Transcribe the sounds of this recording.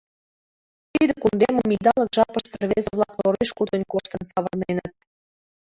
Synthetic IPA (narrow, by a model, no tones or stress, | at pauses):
t̪id̪əkund̪emə̆mid̪ɑlɤ̆kʒɑpə̆ʃt̪ərβezəβlˠɑkloɾeʃkud̪ə̆nʲkoʃt̪ɤ̆nsɑβɤrnenə̆t̪̚